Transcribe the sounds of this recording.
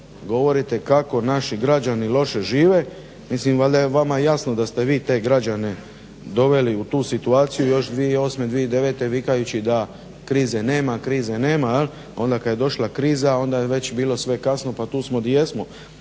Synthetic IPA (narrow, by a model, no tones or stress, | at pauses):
ɡo̞ʋo̞ɾit̪e̞kako̞naʃiɡɾad͡ʑanilo̞ʃe̞ʒiːʋe̞ | mislimʋald̪ajeʋamajasnod̪ast̪e̞ʋiːt̪e̞ːɡɾad͡ʑane̞ | d̪o̞ʋe̞liut̪uːsit̪uaːt̪sijujo̞ʃd̪ʋieo̞sme̞d̪ʋied̪e̞ʋe̞ːt̪e̞ʋikajut͡ɕid̪a | kɾiːzene̞ːmakɾiːzene̞ːmajel | o̞nd̪akad̪je̞d̪o̞ʃlˠakɾiːzao̞nd̪ajeʋe̞t͡ɕbiːlo̞sʋe̞kasno̞pat̪uːsmo̞d̪jesmo̞